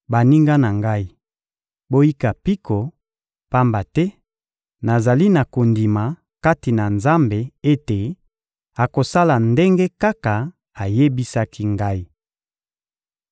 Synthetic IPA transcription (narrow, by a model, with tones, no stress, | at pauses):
ba˨ni˦ŋɡa˦na˨ŋɡa˦i˦ | bo˦ji˦ka˨pi˦kʰo˨ | pa˦mba˨tɛ˦ | na˨za˨li˦na˨ko˨ndi˨ma˨ | ka˦ti˨na˨nza˦mbe˨e˦te˨ | a˨ko˨sa˦la˨nde˦ŋɡe˦ka˦ka˨ | a˨je˦bi˦sa˦kʰi˦ŋɡa˦i˦